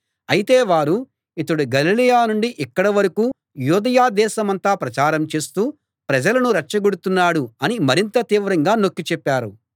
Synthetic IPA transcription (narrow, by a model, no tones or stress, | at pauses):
ɐjit̪e̞ːʋaːɾu | it̪ɐɽuɡɐlilijaːnuɳɖiʔikːɐɽɐʋɐɾɐkuː | juːd̪ɐjaːd̪ɛːʃɐmɐnt̪aːpɾɐt͡ʃaːɾɐmt͡ʃe̞ːst̪uː | pɾɐd͡ʒɐlɐnuɾɐʈt͡ʃɐɡuɽut̪unːaːɽuɐnimɐɾint̪ɐt̪iːʋɾɐŋɡaːnokːit͡ʃɛpːaːɾṵ